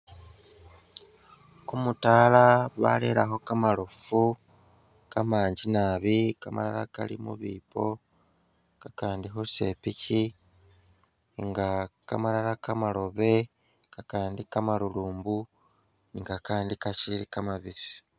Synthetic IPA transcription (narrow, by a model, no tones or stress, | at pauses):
kumutalaβa̰le̞laxo̞kamalofu | kamaːɲɟinaβikama̰la̰la̰ka̰lḭmṵβiːpʰo̞ | kakaːndixose̞pici | ŋɡakamalalakamalo̞βe̞ | kakaːndikamaluluːmbu | niŋɡakaːndikaʃilikamaβisi̥